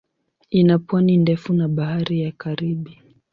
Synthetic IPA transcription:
inapwanindɛfunaɓahaɾijakaɾiɓi

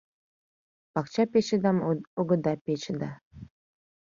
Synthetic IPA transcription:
pɑkt͡ɕɑpʲet͡ɕəd̪ɑmoɡɤ̆d̪ɑpʲet͡ɕəd̪ɑ

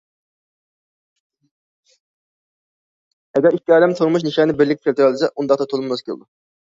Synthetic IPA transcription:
ɛɡʲɛɾikʲːiɑːd̪ɛmt̪ʰuɾmuʃ̬niʃɛnɪbɪɾlɪk̪̚ʲkʰʲelʲt̪ʰɾlˠd̪ɪsɛʔund̪ɑqt̪ɑt̪ʰolˠumnɑz̥kʲʰelɨ̰d̪u

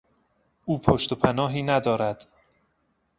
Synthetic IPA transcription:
ʔuːpʰoʃt̪opʰænɒːɦiːnæd̪ɒːɾæd̪̥

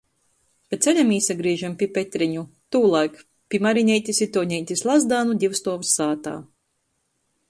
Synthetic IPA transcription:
pat̪t̪selʲamiːsaɡɾiːʒampʲipʲet̪ʲɾiɲut̪uːlˠajk | pʲimaɾinʲɛjt̪ʲisʲit̪uɔɲʲɛjt̪ʲislˠazd̪aːnud̪ʲiwst̪uɔvsaːt̪a̰ː

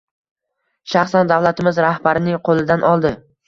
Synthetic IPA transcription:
ʃaχsand̪avlˠat̪ʰɪmɪzɾahbaɾɪnɪŋqʰolˠɪd̪anʔɒlˠd̪ɪ

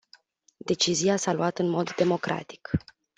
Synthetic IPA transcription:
d̪e̞t͡ʃizijasalwat̪ɨnmo̞d̪ːe̞mo̞kɾʔa̰t̪i̥k

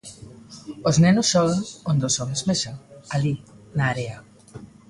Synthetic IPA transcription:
oznɛnʊsːɔlŋond̪osɔmezmesɐalinaːɾea

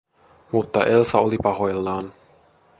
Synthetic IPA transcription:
mut̪ːa̰ʔɛlsaɔlipaɦɔɛlːaːn

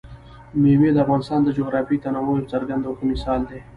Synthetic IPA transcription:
memed̪əafɣɑːnɪst̪ɑːnd̪əd͡ʒoɣɾɑːfit̪anamojt͡sɐɾɡɐnd̪okemɪsɑːld̪e

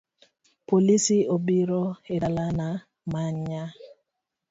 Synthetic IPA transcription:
polisiobiɾɔɪɾalana | maɲa

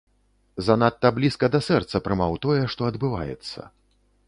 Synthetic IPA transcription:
zan̪at̪ːɐblʲiskɐd̪ɐsɛrt̪sɐpɾɨmawt̪ɔjɛʂt̪ɔɐd̪bɨva̰jɛ̰t̪sːɐ̰

